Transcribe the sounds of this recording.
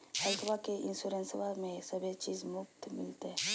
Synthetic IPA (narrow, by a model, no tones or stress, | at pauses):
həlt̪ʰʋakeʔɪnsuɾẽnsʋamẽsəbʱet͡ʃiːzmʊkt̪mɪ̰lt̪e